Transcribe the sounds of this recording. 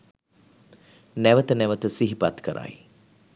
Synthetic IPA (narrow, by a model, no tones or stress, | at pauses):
næʋət̪ənɛʋət̪əsiɦipat̪kəɾʔa̰j